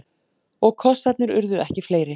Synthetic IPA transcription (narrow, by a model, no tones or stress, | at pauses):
ɔɣkʰɔsat̪nɪɾʏɾðʏɛhcɪfleːjɾɪ